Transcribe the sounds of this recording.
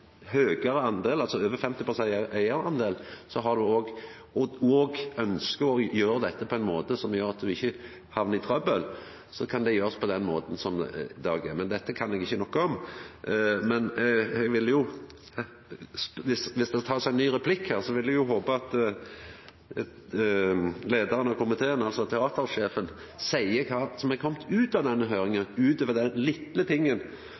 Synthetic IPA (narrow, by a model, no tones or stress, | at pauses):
høːɡəɾəɑnd̪eːlɑlsɔøːʋəɾfɛmt̪ɪpʰɾʊsɛʔæɪəɾɑnd̪eːlsɔɦɑd̪ʉoːɡ | ɔɔːɡœnskəɔjøːɾəd̪ɛt̪ːəpʰɔɛɪnmoːt̪əsɔmjøːɾɑt̪̚d̪ʉɪçːə | hɑʋnəɪt̪ʰɾœbəl | sɔkʰɑnd̪ɛjøːɾspʰɔd̪ɛnmo̰ːt̪n̩sɔmd̪ɑ̰ːɡɛmɛnd̪ɛt̪ːəkʰɑnɛɡɪçːənɔkːəɔm | mɛnɛɡʋɪljʊ | sʋɪsʋɪsd̪ɛt̪ʰɑːsæɪnnːyːɾɛpʰlɪkhæːʁsɔʋɪlːɛɡjʊɦoːpəɑt̪ | leːd̪əɾənɑkʰʊmɪt̪ʰeːənɑlsɔt̪ʰɛɑːt̪əɾʂeːfənsæɪəkʰɑːsɔmɛɡkʰɔmt̪ʰʉːt̪ɑʋd̪ɛnːəɦøːɾɪŋəʉːt̪øːʋəd̪ɛnlɪt̪lət̪ʰɪŋːən